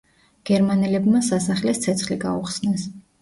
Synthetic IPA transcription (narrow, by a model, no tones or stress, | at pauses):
ɡ̥ɛɾmanɛlɛbmasasaχlɛst̪sʰɛt̪sʰχliɡa̰uχsnɛs